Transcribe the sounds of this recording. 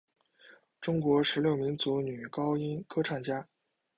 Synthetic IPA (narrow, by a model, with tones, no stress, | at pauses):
ʈ͡ʂʊ˥ŋkwɔ˧˥ʂɻ̩˧˥ljo˥˩ʊmi˧˥nt͡su˧˥ny˨˩kɑ˥ʊi˥nkʰɤ˥ʈ͡ʂʰɑ˥˩ŋt͡ɕja˥